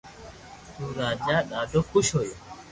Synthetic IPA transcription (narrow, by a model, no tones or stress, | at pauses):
tuɾaːd͡ʒaːɗaːdɔkːuʃɔjɔ